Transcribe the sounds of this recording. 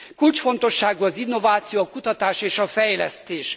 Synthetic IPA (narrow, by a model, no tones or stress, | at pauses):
kult͡ʃfo̞nt̪o̞ʃːaːɡuɒzinːo̞vaːt̪sijoɒkut̪ɒt̪aːʃeːʃɒfɛjlɛ̰st̪eːʃ